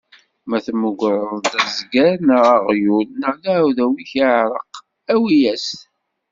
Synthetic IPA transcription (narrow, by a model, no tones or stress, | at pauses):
mæθməɡʷɾˤəðˤd̪æzɡæɾnəʁaʁjulnəlawðæwiçiʕɾˤəq | æwijæs